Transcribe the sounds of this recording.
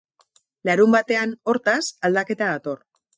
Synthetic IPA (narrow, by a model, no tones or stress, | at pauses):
laɾumbat̪e̞ano̞ɾt̪asald̪ake̞t̪aðat̪o̞r